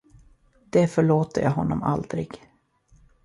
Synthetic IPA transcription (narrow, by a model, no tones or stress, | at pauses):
d̪̥ɛfœɭoːt̪əjaːɦɔnːɔma̰ld̪ɾɪɡ̥